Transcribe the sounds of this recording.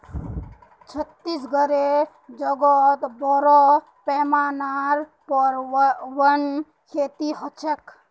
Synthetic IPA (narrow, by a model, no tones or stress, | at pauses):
t͡ʃʰət̪ːisɡəɾe | d͡ʒɔɡɔt̪bɔɾɔ | pɛːmaːnaɾpɔɾwən | kʰeːt̪iɦɔt͡ʃʰek